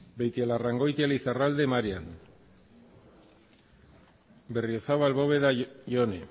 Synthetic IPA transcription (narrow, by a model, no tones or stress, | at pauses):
bejt̪ialaraŋɡo̞jt̪ialisarald̪e̞maɾian | be̞riosaβalβo̞βe̞ðaʝo̞ne